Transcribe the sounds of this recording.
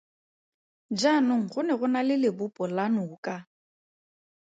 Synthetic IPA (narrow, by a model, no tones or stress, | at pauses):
d͡ʒanʊŋ̩χʊnɛɣʊnalɪlɪbʊpʼɔlanʊːkʼa